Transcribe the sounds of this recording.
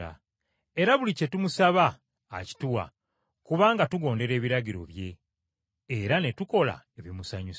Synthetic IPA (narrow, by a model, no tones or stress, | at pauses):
a̰ | e̞ɾaβulice̞tumusaβa̰ː | ci̥tuwa̰ | kuβaːŋɡatuɡo̞ːnde̞ɾe̞ːβiɾaɟiɾo̞̰βje̞ː | ɾane̞tuko̞la̰ | eβimusaɲus